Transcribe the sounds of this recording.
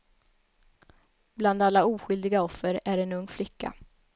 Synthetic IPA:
bland̪alːauːɧʏld̪ɪɡaɔfːəɾæɾɛnɵŋːflɪkːa̰

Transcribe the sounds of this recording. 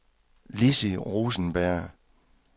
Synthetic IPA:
lisiʁuːsən̩b̥æɐ̰

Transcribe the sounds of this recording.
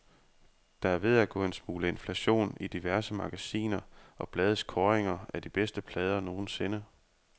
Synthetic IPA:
d̥ɑ̈æɐʋe̝ð̞ˠæɡ̥ɔ̰̽ːe̝nsmuːləe̝nflæɕo̝̰ːnid̥iʋæɐsəmɑ̈ɡ̥æsḭːnɐʔɒ̽b̥lɛːð̞ˠskʰɒːʁeŋɐæd̥ib̥esd̥əpʰlɛːð̞ˠɐno̝ːn̩se̝nə

